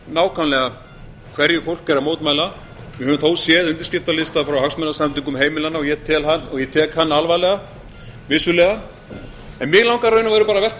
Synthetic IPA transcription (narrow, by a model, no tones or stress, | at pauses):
naːwkʰanlɛɣa | kʰvɛɾjʏfowl̥kːɛɾamoːwt̪majla | vɪɾɦœvʏmθoːwsjɛːðʏnt̪̬ɪ̥scɪft̪alɪst̪afɾawɦaksmɛnːasamt̪ʏŋkʏmɦeːjmɪlanːaɔɣjɛt̪ʰɛːlɦanɔɣjɛt̪ʰɛːkhanːalvajlɛɣa | vɪsʏlɛːɣa | ɛnmjɛɣlawŋkaɾrœɥnʏavɛjɾʏpaːɾavɛht̪